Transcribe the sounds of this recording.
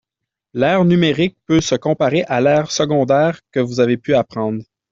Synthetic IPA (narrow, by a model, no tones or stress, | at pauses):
lɛːʁnymeʁɪk̚pøsəkɔ̃paʁeʔalɛːʁsəɡɔ̃d̪ɛːʁkəvuzavepyapχɑ̃ːd̪ʁ